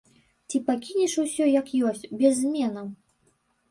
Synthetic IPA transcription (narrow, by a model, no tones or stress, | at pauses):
t͡sʲipakʲinʲiʂusʲɔjɐkjɔsʲt͡sʲbʲɛzʲmʲɛnɐ